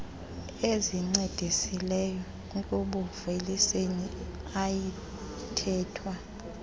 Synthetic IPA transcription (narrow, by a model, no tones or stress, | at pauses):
eziŋ͡ǀed̥ʱisilɛjɔ | kʼuɓuveliseni | aji | tʰɛːtʰwa